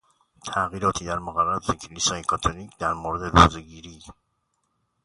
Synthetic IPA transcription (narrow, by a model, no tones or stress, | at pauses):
t̪ʰæɣiːɾɒːt̪ʰiːd̪æɾmoɣæræɾɒːt̪ecʰelisɒːjekʰɒːt̪ʰoniːcʰd̪æɾmoɾed̪e̞roːzeɟiːɾiː